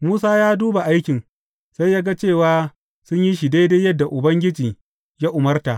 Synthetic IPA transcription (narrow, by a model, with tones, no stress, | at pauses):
muː˦saː˦jaː˦duː˦ba˨ʔa˦jkʲɪ˨n | sa˦jːaː˦ɡa˦t͡ʃeː˦˨waː˦ | sʊ˦ɲji˦ʃ̬i˨deː˦deː˦jɐ˦dːa˨ʔʊ˨bɐ˦ŋɡʲɪ˦d͡ʒiː˨ | ja˦ʔʊ˨mɐ˦rta˨